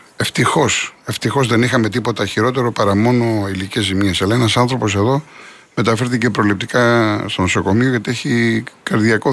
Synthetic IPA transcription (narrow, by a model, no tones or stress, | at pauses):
e̞ft̪ixo̞se̞ft̪ixo̞zðe̞nixɐme̞t̪ipo̞t̪ɐçiɾo̞t̪e̞ɾo̞pɐɾɐmo̞no̞ilice̞zimiesɐlɐe̞nɐsɐnθɾo̞po̞se̞ðo̞ | me̞t̪ɐfe̞ɾθice̞pɾo̞lip̚t̪i̥kɐst̪o̞no̞so̞ko̞mio̞ʝɐt̪ie̞çikɐɾðiɐko